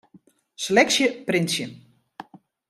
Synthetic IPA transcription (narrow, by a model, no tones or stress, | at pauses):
slɛksjəprɪnsjən